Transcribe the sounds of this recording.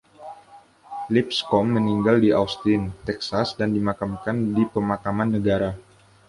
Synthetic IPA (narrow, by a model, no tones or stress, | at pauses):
lip̚skɔmːəniŋɡaldiʔawst̪int̪ɛksasdandimakamkandipəmakamanːəɡaɾa